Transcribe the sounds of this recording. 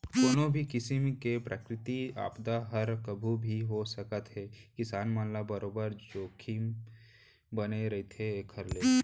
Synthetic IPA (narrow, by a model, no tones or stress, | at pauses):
koːnõbʱikɪsimkepɾʔəkɾɪt̪ia̰ːpd̪aɦəɾkəbʱubʱiɦosəkət̪ɦɛkɪsaːnmãːnlabɐɾoːbəɾd͡ʒoːkʰim | bəneɾɐit̪ʰekʰəɾle